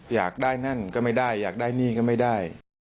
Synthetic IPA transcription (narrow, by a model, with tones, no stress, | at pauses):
jaː˨˩k̚daː˥˩jna˥˩nkɔː˥˩ma˥˩jdaː˥˩jːaː˨˩k̚daː˥˩jniː˥˩kɔː˥˩ma˥˩jdaː˥˩j